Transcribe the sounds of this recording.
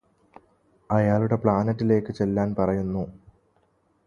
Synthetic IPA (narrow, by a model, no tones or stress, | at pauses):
ɐjaːluɽe̞pɭaːnɐtːile̞ːkːɨt͡ɕe̞lːaːnpɐrɐjunːu